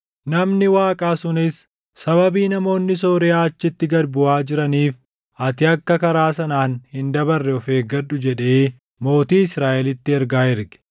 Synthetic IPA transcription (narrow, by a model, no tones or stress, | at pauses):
nɐmnɪwaːkʼaːsʊnɪs | sɐbɐbiːnɐmo̞ːnːɪs̬oːɾɪaːɐt͡ʃːɪt̪ːɪɡɐɾbʊʔaːd͡ʒɪɾɐniːf | ʔɐt̪ɪɐkːɐkɐɾaːsɐnaːnhɪnd̪ɐbɐrːɛɔfeːɡɐɗːʊd͡ʒɛᶑe̞ː | mo̞ːt̪iːɪsɾaːʔɛlɪt̪ːɪɛɾɡaːɪɾɡɛ̥